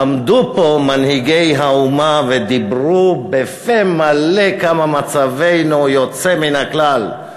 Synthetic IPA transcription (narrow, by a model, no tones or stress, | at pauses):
amd̪upo̞manhiɡe̞jɦaumaved̪ibʁubefemalekamamat͡save̞jnujot͡seminhaklal